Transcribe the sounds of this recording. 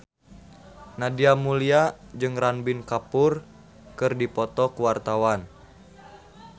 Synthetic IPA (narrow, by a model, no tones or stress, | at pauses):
nadiamuliad͡ʒɨŋranbɪnkapʊr | kɨrdipɔt̪ɔkuwart̪awan